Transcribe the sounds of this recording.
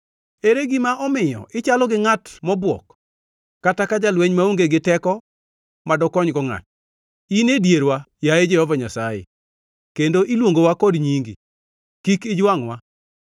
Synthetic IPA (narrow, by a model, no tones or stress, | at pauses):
eɾeɡɪmaʔɔmɪjɔ̰ʔɪt͡ʃalɔɡɪŋatmɔbwɔ̰kː | atakad͡ʒalweɲmauŋɡeɡɪtɛkɔ | madɔkɔɲɡɔŋa̰t͡ʃ | inedjeɾwajaed͡ʒɛhɔvaɲasajḛ | kendoʔilwoŋɡowakɔdɲiŋɡḭ | kikɪd͡ʒwaŋwa